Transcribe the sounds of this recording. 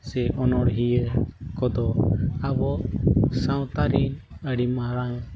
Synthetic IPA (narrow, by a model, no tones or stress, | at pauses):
sɛʔɔnɔɽɦijəkɔd̪ɔabɔsaw̃t̪aɾin | əɽimaɾaɲ